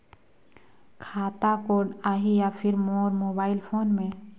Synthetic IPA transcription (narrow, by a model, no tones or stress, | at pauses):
kʰaːt̪akoːɾɖaːɦijapʰɪɾmoːɾmoːbaːɪlpʰoːnmẽ